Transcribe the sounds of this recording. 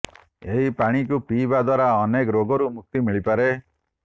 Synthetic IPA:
eɦipaɽ̃ik̬upibad̪waɾaɔnekɔɾoɡɔɾumuk̚t̪imiɭipaɾe

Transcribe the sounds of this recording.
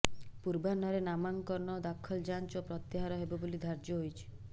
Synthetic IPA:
puɾbanɔɾenamaŋkɔɾnɔd̪akʰɔld͡ʒant͡ʃopɾɔt̪jeɦaɾɔɦebɔbolid̪ʱaɾd͡ʒjɔɦojt͡ʃʰi̥

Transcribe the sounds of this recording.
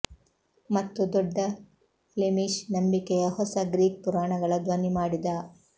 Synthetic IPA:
mɐt̪ːud̪ɔɖːɐ | lemiʂnɐmbikɛjɐhɔsɐɡɾiːk̚puɾaːɳɐɡɐɭɐd̪ʋɐnimaːɽid̪a

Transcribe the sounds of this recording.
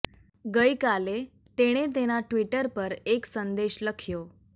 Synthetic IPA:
ɡəjkale | t̪eɽ̃et̪̬eñaʈʋiʈəɾpəɾeksənd̪eɕləkʰjo

